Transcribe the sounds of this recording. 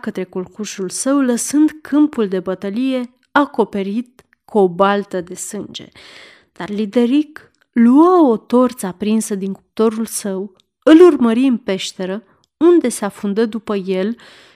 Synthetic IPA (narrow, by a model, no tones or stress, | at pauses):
kət̪ɾe̞kolkuʃulsəwləsɨnd̪kʰɨmpuld̪e̞bət̪əlije̞ | ako̞pe̞ɾit̪̚ | kuobalt̪əd̪e̞sɨnd͡ʒe̞̰ | d̪̥arlid̪e̞ɾik | luao̞t̪o̞rt̪sapɾinsəd̪iŋkup̚t̪o̞ɾulsəw | ɨlurməɾiɨnpe̞ʃt̪e̞ɾə | und̪e̞seafund̪əd̪upəje̞l